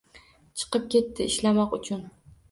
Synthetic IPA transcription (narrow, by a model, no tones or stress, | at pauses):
t͡ʃʰɨ̥qɨp̚kʲʰe̞t̪ːɪɪʃlamɒqʊt͡ʃʰʊn